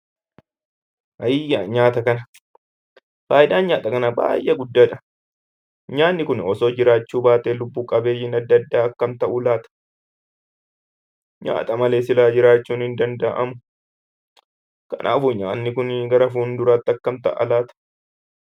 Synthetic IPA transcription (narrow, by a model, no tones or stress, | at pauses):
ʔɐjːaɲaːt̪ɐkɐnɐ | faːjɪd̪aːnɲaːt̪ʼɐkɐnɐba̰ːjʔeɡʊd̪ːaːᶑɐ | ɲaːnːɪkʊnɔsoːd͡ʒɪɾaːt͡ʃːuːbaːt̪eːlʊbːuːkʼɐbe̞ːjɪnɐd̪ːɐd̪ːaːɐkːɐmt̪ɐʔuːlaːt̪ɐ̥ | ɲa̰ːt̪ʼɐmɐle̞ːsɪlaːd͡ʒɪɾaːt͡ʃːuːnhɪnd̪ɐnd̪ɐʔɐmʊ | kɐnʔa̰ːfʊɲaːnːɪkʊnɡɐɾɐfuːnd̪ʊɾaːt̪ːɐkːɐmt̪ɐ̰ʔɐ̰laːt̪ɐ̥